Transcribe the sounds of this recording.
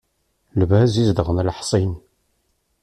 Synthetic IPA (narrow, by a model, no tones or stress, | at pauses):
lvæzizd̪əʁənlħsˤin